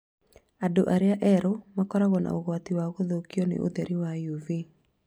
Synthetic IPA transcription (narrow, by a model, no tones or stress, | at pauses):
ado̰ʔaɾeaʔɛɾomakɔɾaɣɔna̰oɣwatiwaɣoðokiɔnḛʔo̰ðɛɾiwajuvi